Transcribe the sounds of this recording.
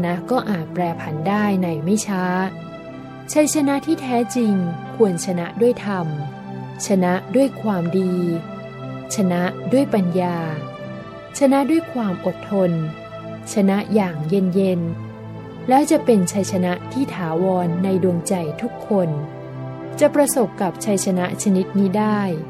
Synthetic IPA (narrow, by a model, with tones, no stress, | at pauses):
na˦˥ʔkɔː˥˩ʔaː˨˩t̪̚pɾɛː˧pʰa˧˩ndaː˥˩jna˧jma˥˩jt͡ɕʰaː˦˥ | t͡ɕʰa˦˥jt͡ɕʰa˧na˦˥ʔt̪ʰiː˥˩t̪ʰɛː˦˥t͡ɕi˧ŋkʰu˧ənt͡ɕʰa˧na˦˥ʔdu˥˩əjt̪ʰa˧m | t͡ɕʰa˧na˦˥ʔdu˥˩əjkʰwaː˧mdiː˧ | t͡ɕʰa˧na˦˥ʔdu˥˩əjpa˧njaː˧ | t͡ɕʰa˧na˦˥ʔdu˥˩əjkʰwaː˧mʔo˨˩t̪ʰːo˧n | t͡ɕʰa˧na˦˥ʔjaː˨˩ŋje˧nje˧n | lɛː˦˥wt͡ɕa˨˩ʔpe˧nt͡ɕʰa˧˥jt͡ɕʰa˧na˦˥ʔt̪ʰiː˥˩t̪ʰaː˩˦wɔː˧nːa˧jdu˧ŋt͡ɕa˧jt̪ʰu˦˥kʰːo˧n | t͡ɕa˨˩pɾa˧so˨˩p̚kːa˨˩p̚t͡ɕʰa˦˧˥jt͡ɕʰa˧na˦˥ʔt͡ɕʰa˧ni˦˥t̪̚niː˦˥daː˥˩j